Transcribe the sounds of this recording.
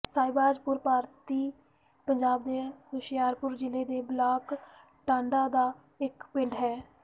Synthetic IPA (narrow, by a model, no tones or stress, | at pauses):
saːɪbaːd͡ʒpʊɾpaːɾt̪iː | pəɲd͡ʒaːbd̪eːɾʊʃɪjaːɾpʊɾd͡ʒɪleːd̪eːblaːk | ʈãːɳɖaːd̪aː | ɪkpɪ̃ɳɖɦɛː